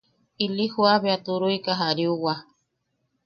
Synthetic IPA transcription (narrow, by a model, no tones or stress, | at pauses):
ilihuaβeat̪uɾuikaɦaɾiuwa